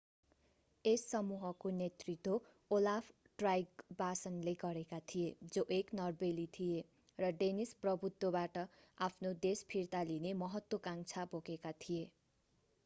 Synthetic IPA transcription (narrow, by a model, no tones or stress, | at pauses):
esːʌmuɦʌkonet̪rit̪wo | olapʰ | ʈrajɡbasʌnleɡʌɾekat̪ʰijed͡zoʔeknʌrbelit̪ʰije | rʌɖenisprʌbut̪wʌbaʈʌapʰnod̪espʰirt̪alinemʌɦʌt̪wokaŋt͡sʰapokekat̪ʰije